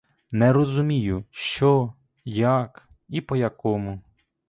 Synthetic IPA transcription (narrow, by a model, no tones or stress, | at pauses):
nɛɾɔzʊmʲijʊʃt͡ʃɔ | jak | ipɔjɐkɔmʊ